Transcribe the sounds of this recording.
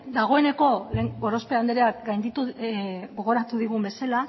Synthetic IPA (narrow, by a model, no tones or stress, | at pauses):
d̪aɣ̞o̞e̞ne̞ko̞leŋɡo̞ɾospeand̪eɾeakɡajnd̪it̪uɡo̞ɣ̞o̞ɾat̪uðiɣumbe̞sala